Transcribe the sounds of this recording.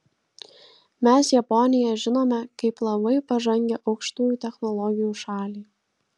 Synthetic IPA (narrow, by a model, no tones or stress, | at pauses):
mʲæsjɑponʲijɑʒinomʲækɤjplˠɑβɤjpɑʒɘŋʲɡʲɘ̆ʔokʃt̪ujut̪ʲexnolˠoɡʲijuʃɑlʲi